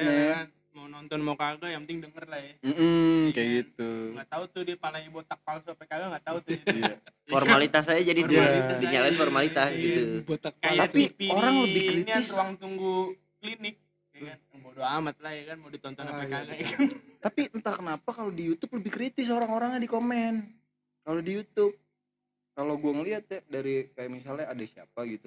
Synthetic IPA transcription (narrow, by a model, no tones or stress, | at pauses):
naan | mawnɔnt̪ɔnmawkaɡajaŋpənɪŋdəŋərlahjam̩ːm̩kajɡit̪uŋat̪aut̪udipalaibot̪ak̚palsuapakaɡaŋɡat̪aut̪udfɔrmalit̪ass̬ajad͡ʒadit̪uadiɲalaɪnfɔrmalit̪asɡit̪ubot̪ak̚pajt̪ap̪iioɾaŋləbɪhkɾit̪ɪswaŋt̪uŋɡu | klinɪk̚ | jkanmodoamat̪̚lahjakanmodot̪ɔnt̪ɔnapaalakant̪apiənt̪akənapakalodijut̪ʊp̚ləbɪhkɾit̪ɪs̬oɾaŋoɾaŋɲadikomɛn | kalodijut̪ʊp̚ | kaloɡuaŋəliat̪̚jadaɾikajamisalɲaːdasia̰paɡit̪u